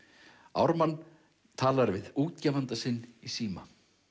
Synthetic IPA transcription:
a̰wɾmanː | t̪ʰaːlaɾvɪðuːt̪cɛːvant̪asɪnːisiːma

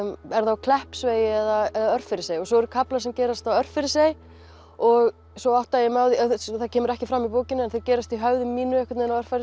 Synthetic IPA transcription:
ɛɾθawkʰlɛhpsveːjɪɛðaɛðaœr̥fɪɾɪseːjɔɣsɔɛɾʏɾkʰaplasɛmcɛːɾast̪awœr̥ffɪɾɪsej | ɔɣ | sɔɔht̪ajɛmawðisθacʰɛːmʏɾɛhcɪfɾamːipoːwcɪnːɪɛnθecɛːɾast̪iɦœwðʏmːiːnʏɛhkvat̪neɪnawr̥faɾɪ

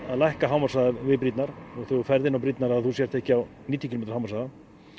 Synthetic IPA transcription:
aðlajhkaɦaːwmḁsaːðavɪpɾit̪naɾɔɣθœɣʏɾfɛɾðɪnːawpɾit̪naɾaðθusjɛɾ̥t̪ɛhcɪaw | niːt̪jʏcʰɪlmet̪ɾ̥hawmaɾsaːða

